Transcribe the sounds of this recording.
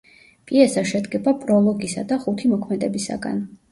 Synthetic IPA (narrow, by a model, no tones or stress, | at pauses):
pʼiɛsaʃɛd̪ɡɛbapʼɾɔlˠɔɡisa̰d̪aχut̪ʰimɔkʰmɛd̪ɛbisa̰ɡa̰n